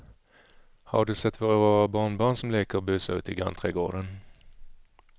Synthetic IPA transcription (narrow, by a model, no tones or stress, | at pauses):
ha̰ɖɵsɛt̪ːvoːɾɾɑaːɾabɑːɳbɑːɳsɔmleːkəɾɔbʉ̟ːsaʉ̟ːt̪ɪɡa̰nt̪ʰɾeːɡo̰ːɖən